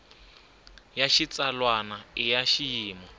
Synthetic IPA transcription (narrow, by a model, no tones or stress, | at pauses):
jaʃit͡salwanaɪjaʃijiːma